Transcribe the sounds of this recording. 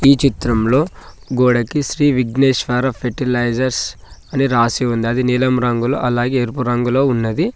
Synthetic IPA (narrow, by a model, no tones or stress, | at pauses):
iːt͡ʃit̪ɾɐmlo̞ː | ɡoːɽɐkiʃɾiːʋiɡneːʃʋaːɾɐpʰeʈilɐjd͡ʒɐɾsɐniɾaːsiund̪iɐd̪inilɐmɾɐŋɡulo̰ːʔɐlaːɡeːeɾpuɾɐŋɡulo̞ːunːɐd̪i